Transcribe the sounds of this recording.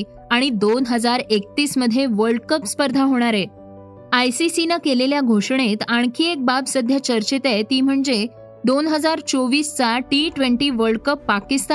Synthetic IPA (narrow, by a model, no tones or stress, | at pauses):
aɽ̃id̪onɦəd͡zaɾek̚t̪iːsməd̪ʱjeʋəɾɖkəpspəɾd̪ʱaɦoɽ̃aɾe | ajsisinəkeleljaɡʱoʂɳ̃et̪aɳ̃kʰiːek̚babsəd̪ʱjat͡ɕəɾt͡ɕit̪ejt̪iːm̤əɳd͡ze | d̪onɦəd͡zaɾt͡soʋiːst͡saʈiʈʋeɳʈiːʋəɾɖkəpːakist̪